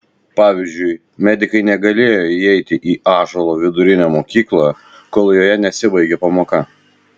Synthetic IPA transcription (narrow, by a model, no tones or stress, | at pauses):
pɑːʋʲɪzʲd͡ʒʲʊɪ | mʲɛd̪ʲɪkɐɪnʲɛɡɐlʲeːjoːiɛɪt̪ʲɪʔiːʔɑːʒɐlˠoːʋʲɪd̪ʊɾʲɪnʲɛmoːkʲiːklˠɐ | koːlˠjoːjɛnʲɛsʲɪbɐɪɡʲeːpɐmoːkɐ